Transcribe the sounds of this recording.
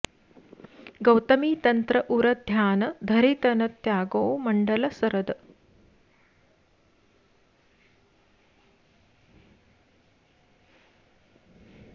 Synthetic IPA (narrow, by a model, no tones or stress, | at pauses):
ɡɐwt̪ɐmiːt̪ɐnt̪ɾɐʔuɾɐd̪ʱjaːnɐd̪ʱɐɾit̪ɐnɐt̪jaːɡoːwmɐɳɖɐlɐsɐɾɐd̪